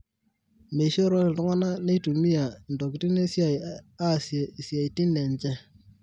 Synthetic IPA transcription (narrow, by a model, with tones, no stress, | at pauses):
me˨ʃɔ˦ɾɔ˦ɪ˨tʊ˦ŋa˦na˦ne˦tu˨mi˦a˨ndɔ˨kɪ˨ti˦ne˦sja˨ja˦˨sje˨i˨sja˨jti˦nɛ˨ɲt͡ʃɛ˦